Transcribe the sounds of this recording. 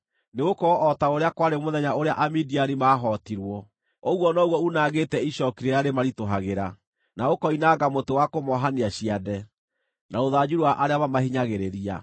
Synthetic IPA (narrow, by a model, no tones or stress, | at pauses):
neɣokɔʔɔtaoɾeakwaɾemoðɛɲaoɾeaʔamidiaɾimaːɦɔːtiɾwɔ | ɔɣwɔnɔɣwɔunaɣetɛiɕɔkiɾeɾaɾemaɾitoɦaɣeɾa | naokɔinaɡamotewakomɔɦaniaɕiadɛ | naoðaːd͡ʑuɾwaʔaɾeamamahiɲaɣeɾeɾia̰